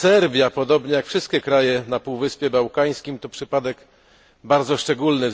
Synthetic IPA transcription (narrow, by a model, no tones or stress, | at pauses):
sɛɾvʲjapɔd̪ɔbɲɛjakfʂɘst̪̚kʲɛkɾajɛnapuwvɘspʲjɛbawkaj̃skʲimt̪ɔpʂɘpad̪ɛk | baɾd̪zɔʂt͡ʂɛɡulnɘ